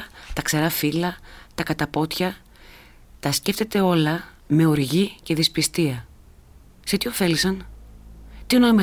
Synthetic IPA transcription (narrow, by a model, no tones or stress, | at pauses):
t̪ɐkse̞ɾɐfilɐt̪ɐkɐt̪ɐpo̞t̪çɐ | t̪ɐsceft̪e̞t̪e̞o̞lɐ | me̞oɾʝice̞ðispist̪iɐ | set̪io̞fe̞lisɐn | t̪ionoime